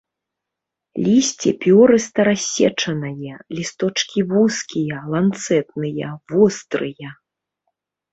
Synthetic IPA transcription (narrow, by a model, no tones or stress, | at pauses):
lʲisʲt͡sʲipʲɔɾɨst̪ɐɾasʲːɛ̰t͡ʂɐnɐjɛlʲist̪ɔt͡ʂkʲivuskʲijɐlˠant̪sɛt̪̚nɨjɐvɔst̪ɾɨjɐ